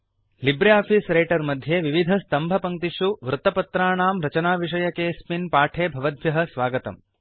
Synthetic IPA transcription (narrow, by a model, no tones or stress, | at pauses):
libɾejaːpʰisɾejːʈɐɾmɐd̪ʱjeʋiʋid̪ʱɐst̪ɐmbʱɐpɐŋt̪iʂuʋɾut̪ɐpɐt̪ɾaːɳaːmɾɐt͡ʃɐnaːʋiʂ̬ɐjɐkeːspinpaːʈʰeːbʱɐʋɐd̪ʱʋjɐɦɐ̆sʋaːɡɐt̪ɐ̰m